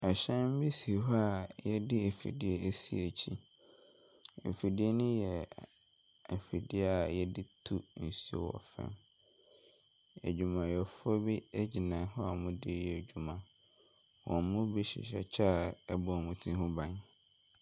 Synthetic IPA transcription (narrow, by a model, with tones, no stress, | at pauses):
ɛ˨ɕɛ̃˦m̩˦bi˦si˨ɦɔ˦a˦˨jɛ˦dɪ˦e˨fḭ˨dɪ˦ɛ˦ʔæ˦si˦æ˨t͡ɕʰi˦ | ḛ˨fi˨dɪ˦ɛ˦nʊ̃˦jɛ˨ | æ˨fi˨dɪ˦ɛ˦a˨jɛ˦dɪ˦tʰu˦n̩˨sḭ˦˨wɔ̰˨fɛ̰̃˦m | æ̰˨d͡ʑᶣu˨mã˨jɛ˨fɔ˦bi˦æ˦d͡ʑi˨nã˨˦hʊ̃˦a˨mʊ̃˦dɪ˦jɛ˨æ˨d͡ʑu˨mã˨ | wɔ̰˨mʊ̃˦be˦ɕɪ̰˨ɕɛ̰˨t͡ɕʰa˦a˨ɛ˦bɔ˨a˨mʊ̃˨˦tʰĩ˦hʊ̃˦bã˨ɲ